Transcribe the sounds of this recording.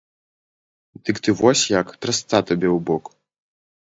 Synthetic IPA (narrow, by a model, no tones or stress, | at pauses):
t̪ɨkt̪ɨvɔsʲjakt̪ɾɐst̪at̪ɐbʲɛwbɔk